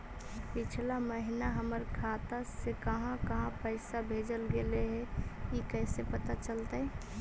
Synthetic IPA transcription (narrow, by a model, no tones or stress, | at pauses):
pɪt͡ʃʰlaməɦɪnaɦəməɾkʰaːt̪asekəɦãkəɦãpəɪsabʱeːd͡ʒəlɡeleɦɛjikɛːsepət̪at͡ʃəlt̪aɦɛ̃